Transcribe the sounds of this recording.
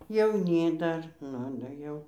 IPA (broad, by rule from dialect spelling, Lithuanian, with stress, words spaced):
jɛʊˈnʲiː ˈdɐr ˈnʊ dɐ ˈjɛʊ